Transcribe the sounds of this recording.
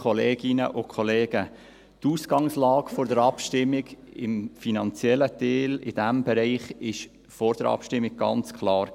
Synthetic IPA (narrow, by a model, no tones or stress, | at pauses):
kχɔleːɡɪnə̰ʔʊkʰɔleːɡ̥ə | tuːsɡ̥ɑŋslɑːɡfoɾdəɾɑpʃtɪmːɪɡɪ̰mfinɑnt͡sjɛlːəteːlɪd̥æmbɛɾɛɪχɪʃ | fɔɾd̥əɾɑ̰pʃtɪmːɪɡ̥̚ɡɑ̰nt͡skʰlɑːɾ